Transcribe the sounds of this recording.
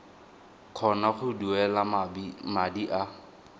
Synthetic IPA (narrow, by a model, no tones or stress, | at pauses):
kʰɔnaχʊduɛlabmadiʔa